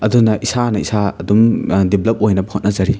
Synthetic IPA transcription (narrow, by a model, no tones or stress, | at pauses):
ɐdunɐʔisanɐisaɐ̰dumdiblɐp̚ojnɐbɐhot̚nɐzɐɾi